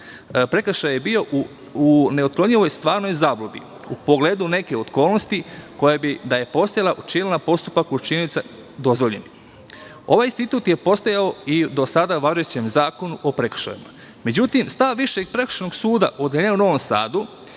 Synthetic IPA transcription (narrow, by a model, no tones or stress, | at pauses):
pɾe̞kʃajebio̞ | uneot̪̚kloɲiʋo̞jst̪ʋaːɾno̞jzaːblobḭ | upoɡle̞ːd̪une̞ke̞ot̪ko̞ːlnost̪iko̞jabid̪aje̞po̞st̪ajalˠaʔut͡ʃilnapo̞st̪upakut͡ʃinit̪sa | d̪o̞zʋoʎḛni | o̞ʋajinst̪it̪uːt̪je̞po̞st̪ojaoid̪o̞sad̪aʋaʒet͡ɕemzaːko̞nuʔopɾe̞kʃa̰jḭma̰ | me̞d͡ʑut̪imst̪aʋːiʃe̞ɡpɾe̞kɾ̥̩ʃanoɡsuːd̪aʔod̪eʎenuno̞ʋo̞msa̰ːd̪u